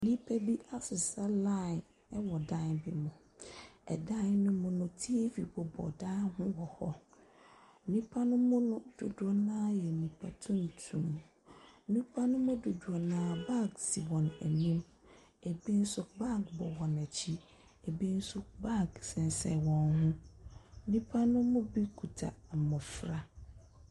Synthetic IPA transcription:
nĩ˦pʰæ˦bi˦ʔa˦sɪ˨sa˦lã˦˨ | ɛ˦wɔ˨dã˦nbɪ˨mʊ̃˨ | ɛ̰˨dã˦nnʊ̃˦mʊ̃˦nʊ̃˦tʰi˦e˦vi˨bɔ˨bɔ̰˨daː˦hʊ̃˦wɔ˨hɔ̰˦ | nĩ˦pʰa˦nʊ̃˦mʊ̃˦nʊ̃˦d̥o˨du˨˦ɔ˨˦nãː˦jɛ˨nĩ˨pʰa˨tʰʊ̃˦n˨tʰũ˨m˦ | nĩ˦pʰa˦nʊ̃˦mʊ̃˦du˨du˨ɔ˨nãː˦ba˦ksi˨bɔ̃˨næ̰˨nĩ˦m | e˨bi˦n̩˦sʊ˦ba˦kbɔ˨wɔ˨næ˨t͡ɕʰi˦ | e˨bi˦n̩˦sʊ˦ba˦ksɛ̃˨n˨sɛ˨wɔ̃˨nhʊ̃˦ | nĩ˦pʰa˦nʊ̃˦mʊ̃˦bi˦kʰu˨tʰa̰˨mɔ̃˨fɾa˨

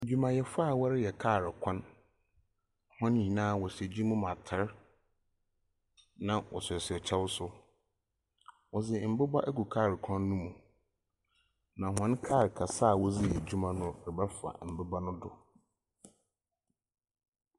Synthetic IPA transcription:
d͡ʑu˦mã˨jɛ˨fa˦˨wɔ˦ɾɪ˦jɛ˨kʰaː˦˨ɾɪ˨kʰã˦n | hɔ̃˦n˦hĩ˨nãː˦wɔ˨se˨d͡ʑi˦mũ˦mã˨tʰɪ˦ɾ | nã˨wʔɔ̰˨sɪ˨ɔ˨sɪ˨ɔ˨t͡ɕʰɛ˦wʊ˦sʊ˦ | wɔ˨zɪ˨m̩˨bɪ˦ba˦ʔæ˦ku˨kʰaː˦˨ɾɪ˨kʰɔ̃˦nːũ˦mũ˨ | nã˨ɦɔ̃˦n˦kʰaː˦˨ɾkʰa˨sa˦˨wɔ˦zi˦jɛ˨d͡ʑᶣu˦mã˦nʊ̃˦ɾɪ˨ba˦fa̰˨m̩˨bɪ˦ba˦nʊ̃˦dʊ̰˨

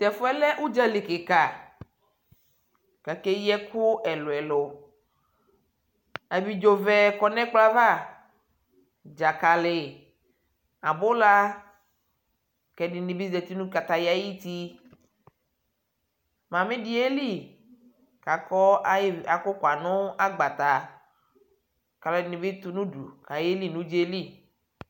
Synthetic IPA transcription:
t̪ɛ˨fo˦ɛ˦lɛ˦ʔu˦d͡ʒa˦li˨ke˨ka˨ | ka˨ke˦jɛ˦ku˦ʔɛ˨lo˨ɛ˨lo˨ | a˨bi˨d͡ʒo˨vɛ˦kɔ˨nɛ̃˦k͡pla˦va˦˨ | d͡ʒa˨ka˨le˨ | a˨bo˦la˦ | kɛ˨ni˨nĩ˨bi˦zɛ˨t̪i˦nũ˦ka˨t̪a˨ja˨ji˦t̪i˦ | mã˨mẽ˦di˦e˦li˦˨ | ka˨kɔ˦˨˦a˨ko˦ka˨nõ˦a˦ɡ͡ba˨t̪a˨ | ka˨lɔ˨˦i˨nĩ˨be˦t̪u˦nũ˦ɖṵ˨ka˨je˦li˦˨nũ˦d͡ʒe˦li˦˨

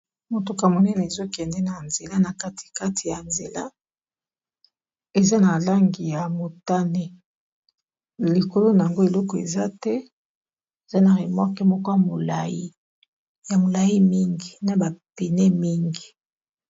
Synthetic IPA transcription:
mo˨to˨ka˨mo˨nɛ˦nɛ˨e˨zo˦kɛ˨ndɛ˦na˨nze˨la˦na˨ka˦tʰi̥˨ka˦tʰi˨ja˨nze˨la̰˦ | e˨za˦na˨la˦ŋɡi˨ja˨mo˨ta˦ne˦ | li˨ko˨lo˦na˨ja˨ŋɡo˦e˨lɔ˦kɔ˨ḛ˨za˦tɛ˦ | e˨za˦na˨ʁe˨mɔ˦kɛ˦mɔ˦ko˦ja˨mo˨la̰˨ji˦ | ja˨mo˨la˨ji˦mi˦ŋɡi˨na˨ba˨pi˨nɛ˦mi˦ŋɡi˨

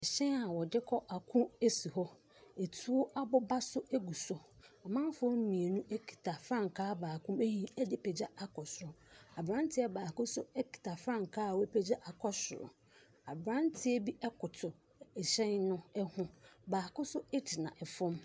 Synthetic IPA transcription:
ɛ˨ɕɛ̃˦na˨wɔ˨dɪ˦kʰɔ˦ʔa˨kʰʊ̃˦e˦si˨ɦɔ˦ | e˨tʰu˦ɔ˦ʔa˦bɔ˦ba˦sʊ˦e˦ɡu˨sɔ˨a˨mã˦m˦fʊ˦m̩˦nĩ˨e˨nũ˦ʔe˦kʰi̥˨tʰa˨fɾã˦˨ŋ˨kʰaː˦baː˨kʰʊ̃˦me˦hĩ˦ɛ˦dɪ˦pʰɛ˨d͡ʑa˦a˨kʰɔ˨sʊ˨ɾʊ˨a˨bɾã˦n˦tʰɪ˦ɛ˦baː˨kʊ̃˦sʊ˦ɛ˦kʰi̥˨tʰa˨fɾã˦˨ŋ˨kʰaː˦˨wɔ˦pʰɛ˦d͡ʑa˦ʔa˨kʰɔ˦sʊ˨ɾʊ̰˨ | a˨bɾã˦n˦tʰɪ˦ɛ˦bi˦ʔɛ˦kʊ˨tʰʊ˨ | ɛ˨ɕɛ̃˦nnʊ̃˦ɛ˦hʊ̃˦baː˨kʊ̃˦sʊ˦ɛ˦tʰɪ˨nã̰˨ʔɛ˨fʊ̃˦m

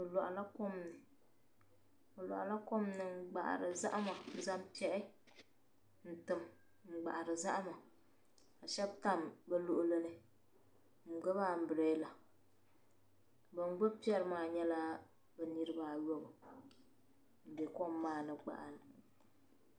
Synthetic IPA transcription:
ɨ˨lɔ˨ʔa˨la˦ko˦mnɨ˨ | o˨lɔ̰˨ʔa˨la˦ko˦mnɨ˨˦ɡ͡ba̰˨ʔa̰˨ɾɨ˨za̰˦ʔa˦ma˨˦za˦mpi˦ɛ˦ɾɪ˦ | n̩˨tɨ˨m | ŋ͡m̩˨ɡ͡ba̰˨ʔa˨ɾɨ˨za˦ʔa˦ma˨ | a˨ʃɛ˦bta˦˨mbɛ˦lo˦ʔʊ˦lɨ˦nɨ˦ | ŋ͡m̩˨ɡ͡bɛ˦baː˦˨m̩˨˦bɨ˨ɾe˦la˨ | bɨ˨n˦ɡ͡bo˦pi˦ɛ˦ɾɨ˦maː˨ɲɛ˦la˦ | bɛ˨ni˦ɾɨ˦baː˦˨jɔ˦bɨ˨ | de˨kɔ˦mːaː˦nɨ˨ɡ͡ba̰˨ʔa˨n˨

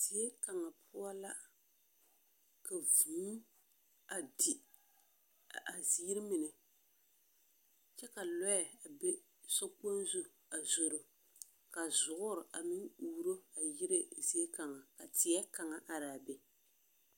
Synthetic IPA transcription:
ti˨ɛ˦ka˨ŋa˨pʰʊ˦a˦la˦ | ka˨vuː˨˦ | a˨di˨ | a˨zi˦ɾɪ˦mɪ˨nɛ˨ | t͡ʃɛ˦ka˨lɔ˦a˨a˨be˦ | sɔ˦k͡po˦n˦zu˦ | a˨zo˨ɾo˨ | ka˨zʊ˨ʔʊ˦ɾɪ˨ʔa˨mɪ˦ŋuː˦ɾo˦a˨jɪ˦ɾe˦zi˦e˦ka˨ŋa˨ka˨tɪ˨ɛ˦ka˨ŋa˨ʔa˨ɾaː˨be˨

